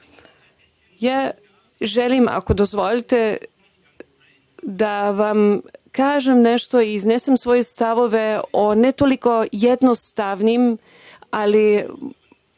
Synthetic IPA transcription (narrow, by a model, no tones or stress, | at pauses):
jaː | ʒelima̰ko̞d̪ozʋo̞lit̪e | d̪aʋamkaːʒemneʃt̪o̞iːznesemsʋo̞jest̪aʋo̞ʋe̞onet̪o̞liko̞jed̪nost̪aʋnim | ali